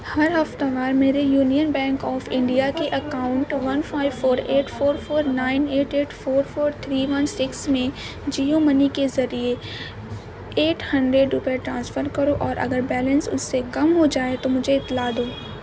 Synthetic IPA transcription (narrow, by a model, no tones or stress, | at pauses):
hɐɾɦɐft̪aʋaːɾmeːɾejuːnijənbɛ̃ːŋkɔːfɪ̃ɳɖijakeʔɐkaːʊ̃ɳʈʋɐ̃nfaːɪʋfoːɾeːʈfoːɾfoːɾnaːɪneːʈeːʈfoːɾfoːɾt̪ʰɾiːʋɐ̃nsɪksmẽ | d͡ʒiːomɐnikezɐɾie | eːʈʰhɐ̃ɳɖɾeɖɾʊpeʈɾãːnsfəɾkɐɾoʔɔːɾʔɐ̰ɡəɾbɛːlə̃nsʊ̰sːekɐmɦod͡ʒaːet̪omʊd͡ʒʱeɪt̪ːlaːd̪oː